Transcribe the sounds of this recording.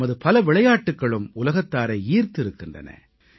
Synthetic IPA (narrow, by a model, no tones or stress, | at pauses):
ɐðɯpɐlɐʋɪɭɐjaːʈːɯkːɐɭɯmʊlɐɣɐt̪ːaːɾɐiːɾt̪ɪɾɯkːɪndrɐ̰nɐ̰